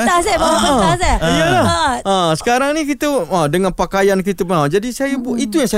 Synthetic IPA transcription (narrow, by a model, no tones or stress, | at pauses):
asaaasaiəlahəsə̥kaɾaŋnikit̪əədəŋanpakajank̬it̪əpənawd͡ʒadisajəbuʔit̪ujaŋsa